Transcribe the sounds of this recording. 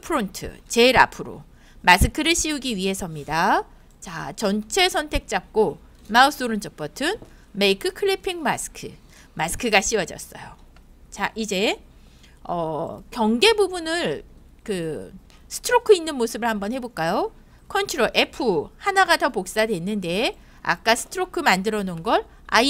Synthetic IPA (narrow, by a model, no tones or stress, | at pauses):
pʰɯɾontʰɯ̰t͡ɕe̞iɾa̰pʰɯɾo̰ | masʰɯkʰɯɾɯɭɕ͈ʰiuɡiɥiɦe̞sʰʌmɲida | t͡ɕat͡ɕʌnt͡ɕʰesʰʌntʰe̞k̚t͡ɕ͈ap̚k͈o | maus͈oɾund͡ʑʌp͈ʌtʰɯnmeikʰɯkʰɯɭipʰiŋmasʰɯ̥kʰɯ | masʰɯ̥kʰɯɡaɕʰiwʌd͡ʑʌs͈ʌ̰jo | t͡ɕaʔid͡ʑe̞ | ʌ̰kjʌŋɡe̞bubunɯɭ | kɯ | sʰɯ̥tʰɯɾokʰɯinːɯnmosʰɯbɯɭhambʌnhe̞boɭk͈ajo | kʰʌnt͡ɕʰuɾoʔe̞pʰɯhanaɡadʌpok̚s͈adwe̞nːɯnde̞ | a̰k̚k͈asʰɯ̥tʰɯɾokʰɯmandɯɾʌnonɡʌɭ | a̰i